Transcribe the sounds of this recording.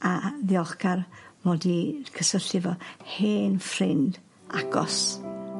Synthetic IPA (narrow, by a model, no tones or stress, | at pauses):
aðɪɔχɡarmɔdikʰəsəɬɪvɔheːnfrɪnd | aɡ̥ɔ̰s